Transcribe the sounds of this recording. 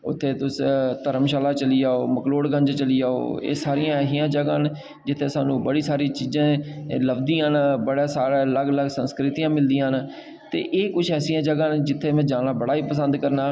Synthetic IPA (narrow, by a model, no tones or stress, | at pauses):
ʊ̰t̪ʰːeːt̪ʊst̪əɾəmʃaːlaːt͡ʃəliːaːoːməkloːɽɡə̃ɲd͡ʒt͡ʃəliːaːo̰ːḛːsaːɾijãːɛːsijãːd͡ʒəɡaːn | d͡ʒɪt̪ʰːeːsaːnũːbəɽiːsaːɾiːt͡ʃiːzãːləbd̪iːnbəɽaːsaːɾaːləɡləɡsə̃nskɾɪt̪iːãːmɪld̪iːãːɦn | t̪ḛːʔeːkʊt͡ʃʰɛːsijãːd͡ʒəɡãːnd͡ʒɪt̪ʰːeːmɛ̃ːd͡ʒaːnaːbəɽaːiːpəsə̃nd̪kəɾnaː